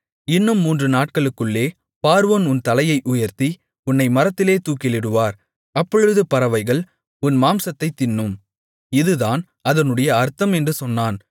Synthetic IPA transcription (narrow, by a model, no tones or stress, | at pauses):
ɪnːɯmːuːndrɯnaːʈ̚kɐɭɯkːɯɭːeː | paːɾɯʋɐnʊnt̪ɐlɐjɐɪʔʊjɐɾt̪i | ʊnːɐɪmɐɾɐt̪ːɪleːt̪uːkːɪlɪɽɯʋaːɾ | ɐpːɔɻɯðɯpɐɾɐʋɐɪɣɐɭ | ʊnmaːmsɐt̪ːɐɪt̪ːɪnːɯm | ɪðɯðaːn | ɐðɐnɯɽɐjɐɐɾt̪ɐmɛndrɯsɔnːaːn